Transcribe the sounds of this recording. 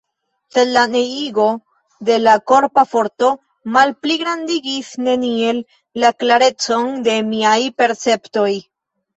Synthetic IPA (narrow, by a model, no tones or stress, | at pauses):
se̞laneiɡo̞ | de̞lako̞ɾpafo̞ɾto̞ | malpliɡɾandiɡisne̞nie̞lː | aklaɾe̞t͡so̞nde̞miajpe̞ɾt͡se̞pto̞j